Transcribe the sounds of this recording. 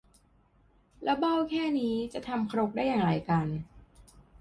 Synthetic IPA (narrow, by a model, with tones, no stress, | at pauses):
lɛ˦˥wba˥˩wkʰɛː˥˩niː˦˥t͡ɕa˨ʔt̪ʰa˧mkʰɾo˦˥k̚daː˥˩jːaː˨˩ŋɾa˧˩jka˧n